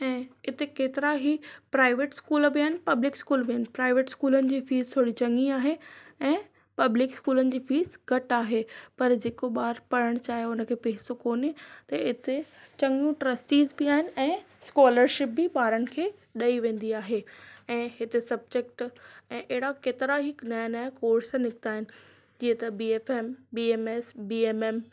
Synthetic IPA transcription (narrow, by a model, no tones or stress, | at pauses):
ɛ̃ːɪt̪ekeːt̪ɪɾaɦipɾaːɪʋeːʈskuːlbɪaːɦɪnɪpɐblɪkskuːlbiaːɪnpɾaːɪʋeːʈskuːlənɪ̆d͡ʑiːfiːzt̪ʰoːɽit͡ɕɐ̃ŋiaːɦeɛ̃ː | pɐblɪkskuːlənɪ̆d͡ʑiːfiːzɡɐʈaːɦepɐɾd͡ʑeːkoɓaːɾpɐɾəɽ̃t͡ɕaːɦeʊnə̆kʰeːpeːɦsokoːnet̪ɐɪt̪et͡ɕɐ̃ŋũʈɾəsʈiːzbiaːɦɪnɪ̆ɛ̃ː | skɔːləɾʃɪp̚bɪɓaːɾənɪ̆kʰeːɗɐiʋẽːn̆d̪iaːɦeɛ̃ːɦɪt̪esɐb̚d͡ʑek̚ʈɛ̃ːʔeɪɽakeːt̪ɪɾaɦɪknajnaːjkoːɾsanɪkɪt̪aːɦɪnɪ̆ | d͡ʑiːə̃t̪ɐbiːeːfembiːeːmesbiːeːmeːm